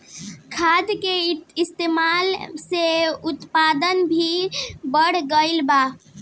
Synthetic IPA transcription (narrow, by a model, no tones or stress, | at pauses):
kʰad̪keist̪emalseut̪pad̪ənbʱibəɽ̤ɡəɪlba